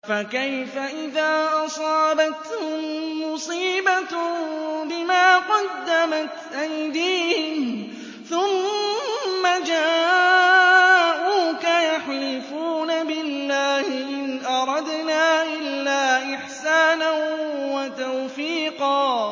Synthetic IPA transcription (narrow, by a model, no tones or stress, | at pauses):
fakajfaʔɪðaːʔɑsˤɑːbat̪hʊmʊsˤiːba | bɪmaːqɑd̪ːamat̪ʔajd̪iːhɪn | θʊmː | ad͡ʒaː | ʔuːkajaħlɪfuːnabɪlːaːhɪʔɪnʔɑɾˤɑd̪naːʔɪlːaːʔɪħsaːnanwat̪awfiːqɑː